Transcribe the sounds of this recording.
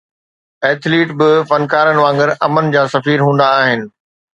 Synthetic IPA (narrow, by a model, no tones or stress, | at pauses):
ɛːt̪ʰliːʈbɪfɐnkaːɾənɪ̆ʋãːŋɡəɾɐmənd͡ʑaːsɐfiːɾɦũːn̆d̪aːɦɪnɪ̆